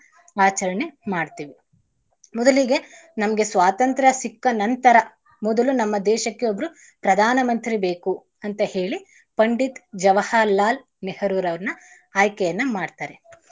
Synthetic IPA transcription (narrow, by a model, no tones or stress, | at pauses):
aːt͡ʃɐɾɐɳemaːɖt̪iːʋi | mɔd̪ɐliɡe̞nɐmɐɡe̞sʋaːt̪ɐnt̪ɾɐsikːɐnɐnt̪ɐɾɐ | mɔd̪ɐlunɐmːɐd̪ɛːʃɐkːeobɐɾu | pɾɐd̪ʱaːnɐmɐnt̪ɾibeːku | ɐnt̪ɐheːɭi | pɐɳɖit̪d͡ʒɐʋɐhalːaːl | nehɐɾuːɾɐʋɐɾnɐ | aːjkɛjɐnːɐmaːɖt̪aːɾe